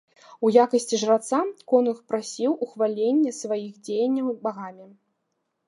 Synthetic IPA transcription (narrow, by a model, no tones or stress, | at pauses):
ujakɐsʲt͡sʲiʐrat̪sakɔnɨxpɾasʲiwʔuxvalʲenʲːɛsvajixd͡zʲejɐnʲːɐwbaɣamʲi